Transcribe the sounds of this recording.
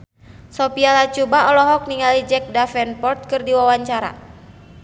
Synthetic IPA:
sɔpialat͡ʃubaɔlɔɦɔk̚niŋalid͡ʒɛk̚dafɛnpɔrt̪̚kɨrdiwawaɲt͡ʃaɾa̰

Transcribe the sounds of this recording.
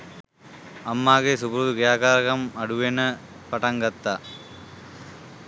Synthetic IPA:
ɐmːaːɣesubɾuːðukɐjaːkaːɾɐɣɐmɐɽuʋenɐ | pɐʈɐŋɡɐt̪ːa

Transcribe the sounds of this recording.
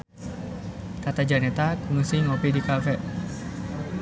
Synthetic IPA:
kat̪ad͡ʒanɛt̪akuŋusiŋopidikafɛ

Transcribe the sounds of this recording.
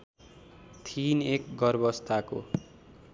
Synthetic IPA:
t̪ʰinekɡʌrbʌst̪ʰako̰

